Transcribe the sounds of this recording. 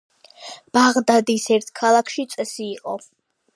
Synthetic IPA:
b̥aʁd̪ad̪isɛɾt̪ʰkʰalˠakʰʃit̪sʼɛsiːqʼɔ

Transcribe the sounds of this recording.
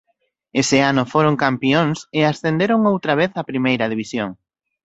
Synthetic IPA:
esɪanʊfoɾoŋkampioŋsɪasθend̪eɾoŋowt̪ɾɐβeθɐpɾimejɾɐðiβisjoŋ

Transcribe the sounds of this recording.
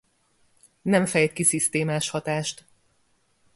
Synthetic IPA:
nɛɱfɛjt̪̚kisist̪eːmaːʃhɒt̪aːʃt̪

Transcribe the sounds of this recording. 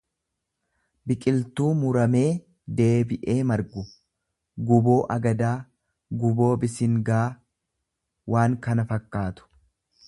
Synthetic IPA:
bɪkʼɪlt̪uːmʊɾɐme̞ː | d̪e̞ːbɪʔe̞ːmɐɾɡʊ | ɡʊbo̞ːʔɐɡɐd̪aː | ɡʊbo̞ːbɪsɪŋɡaː | wʔaːŋkɐnɐfɐkːaːt̪ʊ̥

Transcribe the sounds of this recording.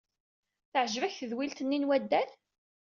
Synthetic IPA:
θəʕʒvæçθəðwilt̪ənːinwæd̪ːæl

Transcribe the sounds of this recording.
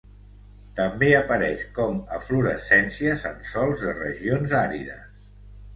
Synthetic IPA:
t̪əmbeəpəɾɛʃkɔməfluɾəsɛnsiəzənsɔlˠzðərə̰ʒionzaɾiðə̰s

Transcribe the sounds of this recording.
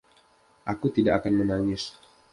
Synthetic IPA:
ʔakut̪idaʔakanmənaŋɪs

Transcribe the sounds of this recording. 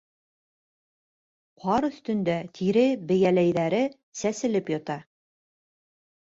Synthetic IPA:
qʰɑɾɵ̆θt̪ɵ̆nd̪æt̪ʰiɾɘbɘ̆jælæjðæɾɘ | sæsɘ̆lɘpjɑt̪ɑ

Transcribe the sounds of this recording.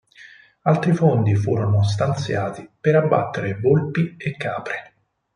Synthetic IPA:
alt̪ɾifond̪ifṵːɾonos̬t̪ant̪sjaːt̪ipeɾabːa̰t̪ːeɾevolpiekːaːpɾe

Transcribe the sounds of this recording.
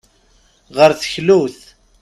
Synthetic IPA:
ʁəɾθə̥çluθ

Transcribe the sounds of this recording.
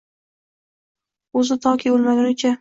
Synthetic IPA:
ɵzɪt̪ʰɒkʰʲibolmad̪ɪɾɪt͡ʃʰa

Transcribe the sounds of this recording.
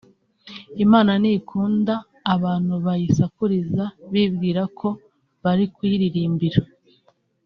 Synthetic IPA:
imaːnaniːkʰuːndaː | βaːn̥huβajisakuɾizaβibɡiːɾakʰo̞ | βaɾikwiɾiɾiːmbiɾa

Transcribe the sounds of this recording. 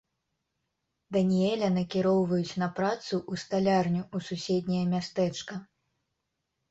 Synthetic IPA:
d̪ɐnʲijɛlʲɐnɐkʲiɾɔwvɐjut͡sʲnɐpɾat̪suʔust̪alʲarnʲuususʲɛd̪ʲnʲɐjɐmʲast̪ɛt͡ʂkɐ

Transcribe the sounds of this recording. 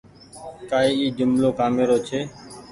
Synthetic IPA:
kaːiːiːd͡ʒʊmloːkaːmeːɾoːt͡ʃʰeː

